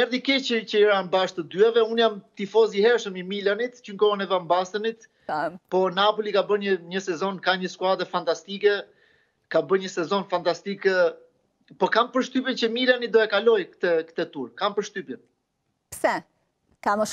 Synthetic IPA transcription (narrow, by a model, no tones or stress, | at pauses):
ɛɾðikɛt͡ʃəcəiɾanbaʃt̪əd̪yɛvɛunjamt̪ifɔzihɛɾʃəmimilanit̪t͡ʃəŋkɔənɛvambast̪ənit̪ | pɔnapɔlikabəɲəɲəsɛzɔnkaɲəskuad̪ɾəfant̪ast̪ikɛ | kabəɲəsɛzɔnfant̪ast̪ik | pɔkampəɾʃt̪ypjɛnt͡ɕəmilanit̪d̪ɔɛkalɔjkt̪ɛkt̪ɛt̪uɾkampəɾʃt̪ypjɛn | psɛ | kamə